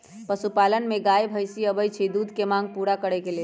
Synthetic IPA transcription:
pəsupalənmeɡajbʱəjsiəbəjt͡ʃʰid̪ud̪ʱkemãŋɡpuɾakəɽɛkele

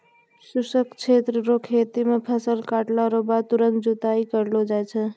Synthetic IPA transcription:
susəkt͡ʃʰet̪ɾɾokʰet̪imepʰəsəlkaːʈlaɾobat̪uɾə̃nkd͡ʒut̪aikəɾlod͡ʒajt͡ʃʰɛ

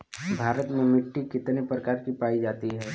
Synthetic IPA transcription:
bʱaːɾət̪mẽmɪʈːikɪt̪nepɾəkaːɾkipaːid͡ʒaːt̪iɦɛː

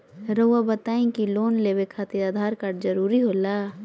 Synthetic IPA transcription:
ɾəwabət̪aːĩkiloːnleːbekʰaːt̪ɪɾaːd̪ʱaːɾkəɾɖd͡ʒəɾuːɾiɦoːlaː

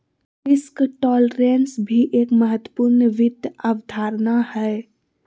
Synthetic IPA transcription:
ɪskʈɔːlɾeːnsbʱiʔeːkməɦət̪ːwə̥puɾnʋɪd̪ʱaʋd̪ʱaːɾnahɛ

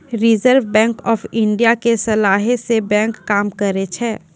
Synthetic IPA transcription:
ɾɪzəɾʋbɛ̃ːŋkɔːfʰɪ̃ɳɖijakesɐlaːɦesebɛ̃ːŋkːaːmkəɾet͡ʃʰɛː

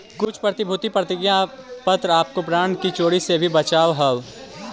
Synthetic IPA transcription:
kʊt͡ʃʰpɾət̪ɪbʱʊt̪ipɾət̪ɪɡjãpət̪ɾaːp̚kopɾaːɳkit͡ʃoːɽisebʱibɐt͡ʃaːʋɦɐl

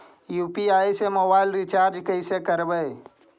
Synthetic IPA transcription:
juːpiaːisemobaɪlɾit͡ʃaːɾd͡ʒkəɪsekəɾbəj

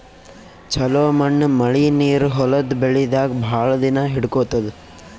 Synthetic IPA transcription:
t͡ʃʰɐloːmɐɳːmɐɭiniːɾɦɔlɐd̪beɭid̪aːɡbʱaːɭɐd̪inɐɦiɽkoːt̪ɐd̪u

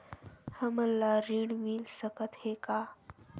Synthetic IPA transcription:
həməlːaɾiːɽmilsəkət̪heka

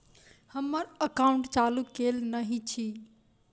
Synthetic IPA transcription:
həmːəɾəkaʊɳʈt͡ʃalukelnəɦit͡ʃʰi

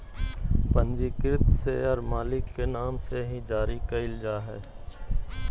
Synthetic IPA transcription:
pə̃nd͡ʒikɪɾt̪seɔɾmaːlɪkːenaːmseɦĩd͡ʒaːɾikɐɪld͡ʒaːɦɛː

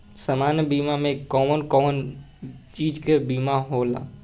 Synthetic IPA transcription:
samaːnjəbiːmamẽkɔːmənkɔːmən | t͡ʃiːd͡ʒkebiːmaɦoːla̰ː

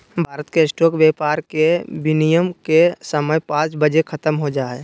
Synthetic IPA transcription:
bʱaːɾət̪kesʈoːkʋjeːpaːɾkebɪnijəmkesəməjpãːt͡ʃbəd͡ʒekʰət̪əmɦod͡ʒaːe

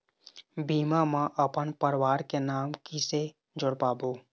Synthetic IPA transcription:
biːmamãʔəpənpəɾwaːɾkenaːmkise | d͡ʒʊɽpaːboː

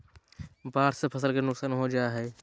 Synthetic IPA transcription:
baːɾsepʰəsəlkenʊksaːnɦod͡ʒaːɦɛː

